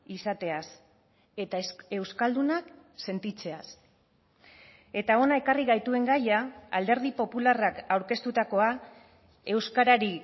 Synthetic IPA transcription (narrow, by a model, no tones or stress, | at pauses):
isat̪e̞as | et̪ae̞wskald̪unak | se̞nt̪it͡se̞as | e̞t̪ao̞nae̞kariɣajt̪ue̞ŋɡajaald̪e̞ɾð̞ipo̞pularakawɾke̞st̪ut̪ako̞a | e̞wskaɾaɾi